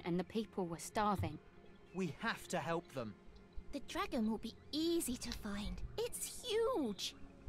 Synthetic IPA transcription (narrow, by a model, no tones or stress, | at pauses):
ʔə̰̃nðəpʰiˑpʰəlˠwəstɑːvɪ̃ŋ | wihaftʰəɦɛlˠp̚ðə̃mðədɹaɡə̃nwɪlˠbiiːzitʰəfãɪ̃ndɪtshjʉːd̥ʒ̥